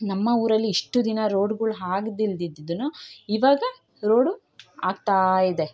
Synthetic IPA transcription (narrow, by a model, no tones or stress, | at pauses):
nɐmːɐuːɾɐlːiːʂʈud̪inɐɾo̞ːɖɡuɭɦaːɡd̪ild̪id̪ːid̪unuiʋaːɡɐ | ɾoːɖu | aːɡ̚t̪aːjid̪e̞